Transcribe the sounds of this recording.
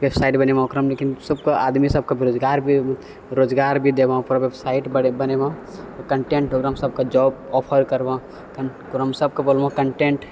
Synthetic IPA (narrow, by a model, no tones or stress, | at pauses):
ʋebsaːɪʈbənebãokɾəmlekinsəb̚koʔaːd̪misəb̚kobʱeɾoːd͡ʒɡaːɾbʱi | ɾoːd͡ʒɡaːɾbʱid̪ebãpɾʋepsaːɪʈbəbənebãkəɳʈẽɳʈɦoɡɾɦəmsəb̚kad͡ʒɔːbɔːpʰəɾkəɾbã | kəkɾɦəmsəb̚kabolʋãkəɳʈẽɳʈ